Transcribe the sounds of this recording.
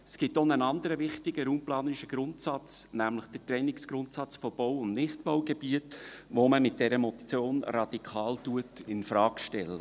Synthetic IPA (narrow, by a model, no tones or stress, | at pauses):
sɡ̥ɪtonənɑnd̪əɾəʋɪχtɪɡ̥əɾuːmplɑːnəɪʃəɡ̥ɾʊntsɑt͡snæmləχd̥ətɾɛnɪksɡ̥ɾʊntsɑt͡sfɔb̥ɔwʊndnɪχtbɔwɡ̥ebiətʋoməmɪt̚d̥ɛɾəmɔtt͡sjoːnɾɑd̥ikʰɑːltuətɪnfɾɑːkʃtɛlːə